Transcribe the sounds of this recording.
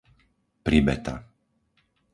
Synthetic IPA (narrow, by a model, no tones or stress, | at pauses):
pɾibɛt̪a̰